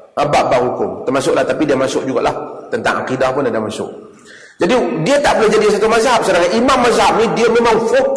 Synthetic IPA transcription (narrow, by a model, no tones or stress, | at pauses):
abaʔbaʔɦukʊmt̪ərmas̬ʊʔlaht̪apidiamasʊʔd͡ʒuɡa̰ʔlaht̪ənt̪a̰ŋʔa̰qidahpʊnadamasʊ̰ʔ | d͡ʒadidiat̪aʔbəlʊhd͡ʒadis̬at̪umazap̚sədaŋaʔimamːazap̚nidiamemaŋfo